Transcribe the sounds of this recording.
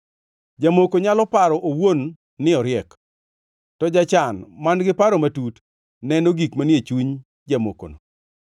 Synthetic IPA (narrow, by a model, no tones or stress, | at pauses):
d͡ʒamokoɲalɔpaɾɔʔowonː | ɪɔɾjɛk | tɔd͡ʒat͡ʃanmanɡɪpaɾomatut | nɛnoɡikmanjet͡ʃuɲ | d͡ʒamo̰ko̰no